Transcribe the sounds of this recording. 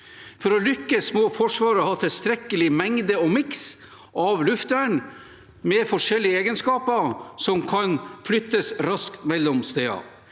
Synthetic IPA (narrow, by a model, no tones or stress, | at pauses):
fɔɾɔlʏkːəsmoːfɔʂʋɑːɾɔhɑːt̪ʰɪlst̪ɾɛkːəlɪmɛŋd̪əɔmɪks | ʔɑʋlʉft̪ʋæɳ | mɛfɔʂɛlːɪəeːɡənskɑːpəɾsɔmkʰɑnflʏt̪ːəsɾɑskt̪mɛlːɔmst̪eːɑ̰